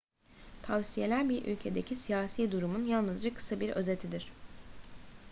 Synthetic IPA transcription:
t̪ʰavsije̞lʲæɾbiɾʔy̰lʲcʰe̞d̪e̞cʰisijaːsiːd̪uɾumunjalˠnɯzd͡ʒakʰɯ̥sabiɾø̞̰ze̞t̪ʰid̪iɾ̝̥

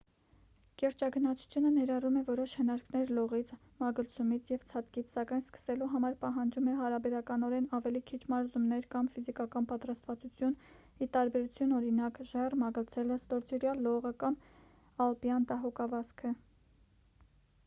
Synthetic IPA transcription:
kɛɾt͡ʃɑɡənɑt͡sʰu̥t͡sʰjunənɛɾɑrumɛvɔɾɔʃhənɑɾknɛɾlɔʁit͡sʰ | mɑɡəlt͡sʰumit͡sʰjɛvt͡sʰɑt̪kit͡sʰsɑkɑjnskə̥sɛluɦɑmɑɾpɑɦɑnd͡ʒumɛɦɑɾɑbɛɾɑkɑnɔɾɛnɑvɛlikʰit͡ʃʰmɑɾzumnɛɾkɑmfizikɑkɑnpɑt̪ɾɑst̪vɑt͡sut͡sʰjun | it̪ɑɾbɛɾut͡sʰjunɔɾinɑkʒɛrmɑɡəlt͡sʰɛləst̪ɔɾd͡ʒɛɾjɑlːɔʁəkɑm | ɑlpjɑnt̪ɑɦɔkɑvɑskʰə

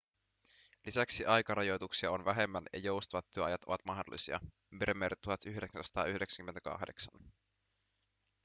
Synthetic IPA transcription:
lisæksiʔɑjkɑɾɑjojt̪uksiɑonʋæɦe̞mːænjɑ̰jowst̪ɑʋɑt̪ːyøɑjɑt̪o̞ʋɑt̪mɑhdo̰lːisiɑ̰ | meɾemːeɾʔæt̪t̪ːuhɑt̪yhde̞ksænsɑt̪ɑ̰ːyhdeksæ̥ŋkyment̪ækɑ̰xde̞ksɑn

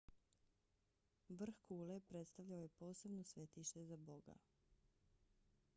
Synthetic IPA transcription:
ʋr̩xkuːlepɾe̞t̪st̪aʋʎaoje̞po̞ːse̞bnosʋe̞t̪iʃt̪e̞zabo̞ɡa̰

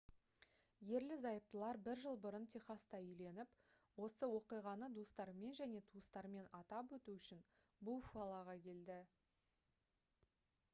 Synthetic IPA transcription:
je̞ɾlɪzɑjəp̚t̪əlˠɑɾbɪɾʒəlˠbʊɾənt̪ʲʰeχɑst̪ɑʏjle̞nɪp | wo̞səwo̞qijʁɑnəd̪ust̪ɑɾme̞nʒæne̞t̪ʰuəst̪ɑɾme̞nɑt̪ɑpwɵt̪uʏʃɪn | bufuɑlˠɑʁɑkʲʰe̞ld̪ɪ

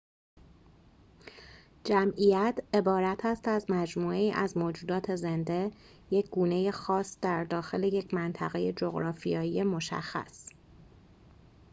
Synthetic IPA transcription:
d͡ʒæmijæt̪ʰe̞bɒːɾæt̪ʰæst̪æzmæd͡ʒmuːe̞iːʔæzmoːd͡ʒuːd̪ɒːt̪ʰe̞ze̞nd̪e̞ | je̞cʰɡ̥uːne̞je̞xɒːsd̪̥æɾd̪ɒːxe̞le̞je̞cʰmænt̪ʰæɣe̞je̞d͡ʒo̞ɣɾɒːfijɒːjije̞mo̞ʃæ̰xːæ̰s

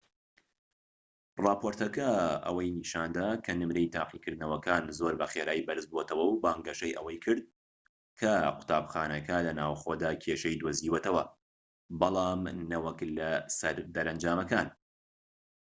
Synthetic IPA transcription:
rˤɑːpʰoːɾt̪ɐkɐɐ̰wɐjniːʃaːnd̪aːkʰɐnɨmɾejt̪ʰa̰ːqikʰɨɾd̪nɐwɐkʰaːnzo̞ɾbɐxeːɾaːjbɐɾɨzbot̪ʰɐwɐwbaːŋɡɐʃɐjʔɐ̰wɐjkʰɨɾd̪̚ | kʰɐqʰʊ̥t̪ʰaːbxaːnɐkʰɐlɐnaːwxo̞d̪aːkʰeːʃejd̪woziːwɛt̪ɐwɐ | bɑlˠɑːmnɐwɐklɐsɐɾd̪ɐɾɐnd͡ʒaːmɐkan

